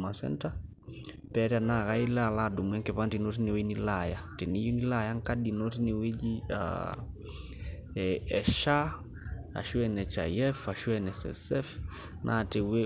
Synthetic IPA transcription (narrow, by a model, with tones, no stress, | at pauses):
ma˨sɛ̰nta | pɛɾa˨na˨ɣa˦i˦la˦˨laɗu˨mwɛ˦ŋkɛ˨pa˦nti˨no˦t̬i˦ni˨weni˦lajatɛ˨ni˦ju˦ni˦lajaŋkaɗi˨no˦ti˦ni˨we˦d͡ʒia̰ | ɛʃa˦ | a̰˨ʃu˦ɛnɛ˨t͡ʃa̰jɛ˦fa˨ʃu˦ɛnɛsɛ̰sɛf | nʔa̰tɛ˨we˦